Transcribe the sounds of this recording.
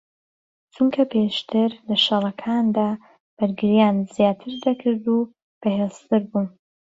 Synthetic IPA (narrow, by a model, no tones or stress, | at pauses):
t͡ʃʰuŋkʰɐpʰeʃt̪ʰɨɾlɐʃɨrˤɐkʰaːnd̪aː | b̥ɨɾɡɨɾjaːnz̥jaːt̪ʰɨɾd̪ɐkʰɨɾd̪u | b̥ɐhest̪ɨɾbun